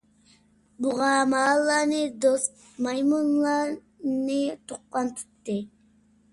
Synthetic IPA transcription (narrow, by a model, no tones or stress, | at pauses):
buʁɑmɑːlˠːɑɾnɨd̪ost̪ | mɑjmunlˠɑɾ | nɨt̪ʰuqːɑnt̪ʰu̥t̪ːɨ